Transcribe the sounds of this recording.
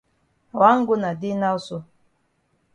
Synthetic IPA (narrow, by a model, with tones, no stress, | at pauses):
a˨wa˦ŋ̩˦ɡʊ˦na˨di˦na˦u˦so˦